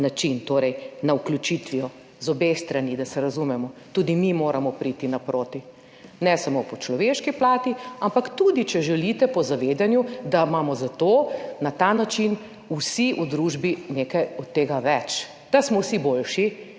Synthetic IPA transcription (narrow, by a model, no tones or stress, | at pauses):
nat͡ʃint̪oːɾɛjnauklʲut͡ʃit̪ʋiɔ | zɔbest̪ɾanid̪ɐsɛɾazumɛmɔt̪ud̪imimoːɾamɔpɾit̪inapɾoːt̪i | nɛsamopɔt͡ʃlɔʋeːʃkiplaːt̪iampakt̪ud̪it͡ʃɛʒɛlit̪ɛpɔzaʋeːd̪anjud̪amaːmɔzat̪oːnat̪aːnat͡ʃin | usiʔud̪ɾuːʒbineːkɐjɔt̪ːeːɡaʋɛt͡ʃ | d̪̥asmɔwsibolʃi